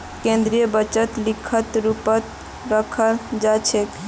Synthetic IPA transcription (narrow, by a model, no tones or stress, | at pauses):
kẽnd̪ɾijəbət͡ʃət̪likʰːət̪ɾupət̪ | ɾəkʰəld͡ʒat͡ʃʰek